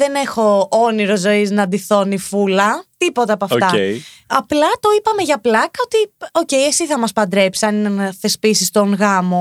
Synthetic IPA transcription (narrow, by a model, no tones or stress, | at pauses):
ðene̞xo̞oniɾo̞zo̞iznɐd̪iθo̞nifulɐt̪ipo̞t̪ɐɐpoɐft̪ɐeɐplɐt̪o̞ipɐme̞ʝɐplɐkɐot̪io̞ceiesiθɐmɐspɐnd̪ɾepsiɐniθe̞spisist̪oŋɣɐmo̞